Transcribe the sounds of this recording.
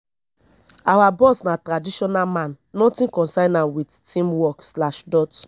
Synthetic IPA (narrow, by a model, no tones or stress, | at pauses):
awabɔsnãtɾadiʃɔnamãnːɔ̃tĩkɔ̃nsaɪnãwidtĩmwɔkslaʃdɔt